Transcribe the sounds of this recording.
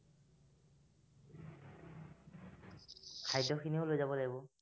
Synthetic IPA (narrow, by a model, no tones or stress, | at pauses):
kʰajdʱɔkʰiniolojzabɔlaɡibɔ